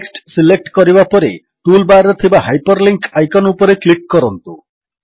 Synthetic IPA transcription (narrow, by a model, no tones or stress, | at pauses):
ksʈsilek̚ʈkɔɾibapɔɾe | ʈulbaɾɔt̪ʰibaɦajpɔɾliŋkajkɔnupɔɾeklik̚kɔɾɔnt̪u